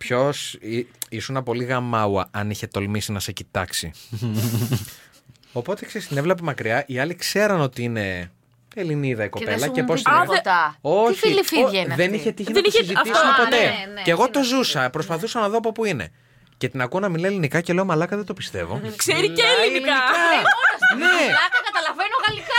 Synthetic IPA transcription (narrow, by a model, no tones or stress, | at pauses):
pço̞siisunɐpo̞liɣɐmɐwɐɐniçe̞t̪o̞lmisinɐsecit̪ɐksi | o̞po̞t̪e̞kseɾist̪inevlep̬emɐkɾiɐʔiɐlikse̞ɾɐno̞t̪iine̞ | eliniðɐiko̞pe̞lɐcepost̪ | oçilifðeniçet̪içinenisziismepot̪e̞neɣo̞t̪o̞zusɐpɾospɐθusɐnɐðoɐpo̞puine̞̰ | ce̞t̪inɐkuonɐminleelinikɐce̞le̞omɐlɐkɐðed̪o̞pi̥st̪e̞vo̞̰kseɾiliikɐɐsneɐkɐt̪ɐlɐvenoɣɐlikɐ